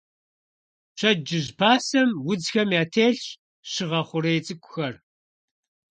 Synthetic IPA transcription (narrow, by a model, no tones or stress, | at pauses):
t͡ʃʰɐd͡ʒɪʒpʰaːsɐmwʊd͡zxɐmjaːtʰeːɬɕ | ɕɪʁɐχʷʊɾeːt͡sʼɨkʷʼʊxɐr